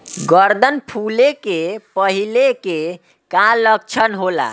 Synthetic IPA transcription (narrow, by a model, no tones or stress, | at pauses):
ɡəɾd̪ʱənpʰulekepəɦileke | kalək̚t͡ʃʰənɦola̰